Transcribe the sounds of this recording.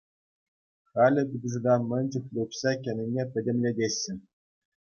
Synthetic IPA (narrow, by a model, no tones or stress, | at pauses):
χɑlʲɘ̆bʲid̪ʲɤ̆zɤ̆d̪ɑnmɘ̆nʲt͡ɕɘ̆xlʲupsɑkʲɘ̆nʲɘ̆nʲepʲɘ̆dʲĕmʲlʲedʲeɕʲːɘ̆n